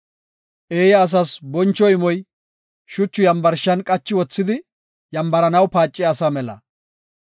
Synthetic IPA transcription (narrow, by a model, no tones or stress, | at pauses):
ʔeːjɐːs̬ɐsbɔnt͡ʃːɔɪmɔj | ʃʊt͡ʃːʊjɐmbɐɾʃɐnkʼɐt͡ʃːɪwɔt͡sːɪd̪ɪ | jɐmbɐɾɐnɐwpaːt͡ʃʼːɪjaːsɐmɛlɐ̰